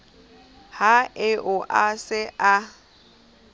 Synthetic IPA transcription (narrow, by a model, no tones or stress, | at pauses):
haɪʔʊʔasɪʔa